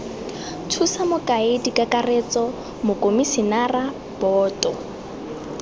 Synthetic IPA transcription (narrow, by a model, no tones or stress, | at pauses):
tʰusamʊkʼaedikʼakʼaret͡sʼɔ | mʊkʼomisɪnara | b̥ɔːtʼɔ